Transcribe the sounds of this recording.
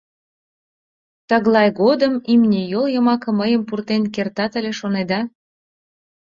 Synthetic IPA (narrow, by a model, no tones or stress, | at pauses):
t̪əɣlˠɑjɣod̪əmimnʲejoljəmɑkɤ̆məjəmpurt̪enkert̪ɑt̪əlʲeʃoned̪ɑ